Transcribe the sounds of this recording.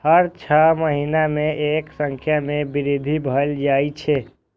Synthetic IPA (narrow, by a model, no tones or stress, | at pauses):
həɾt͡ʃʰəməɦinameʔeksəŋkʰjamebiɾid̪ʱibʱəld͡ʒajt͡ʃʰe